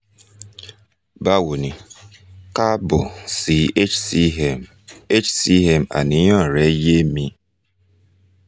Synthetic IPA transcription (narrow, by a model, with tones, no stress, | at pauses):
ba˦wu˨ni˨ | ka˦bo˨si˨˦t͡ʃm | e˦t͡ʃsi˦ɦe˦ma̰˨ni˨˦ɲ˦ɔ˦˨ɾɛ˦je˦mi˦